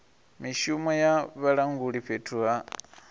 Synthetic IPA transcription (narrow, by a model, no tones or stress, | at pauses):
miʃumojaβalaŋɡuliɸetʰua